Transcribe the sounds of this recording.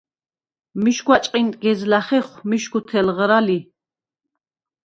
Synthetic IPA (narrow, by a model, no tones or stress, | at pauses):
miʃɡwat͡ʃʼqʼint̪ʼɡɛzlaχɛχmiʃɡut̪ʰɛlʁɾali